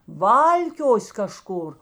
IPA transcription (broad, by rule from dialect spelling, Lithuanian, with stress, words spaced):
ˈʋɐlʲkʲoːsʲ kɐˈʃkʊr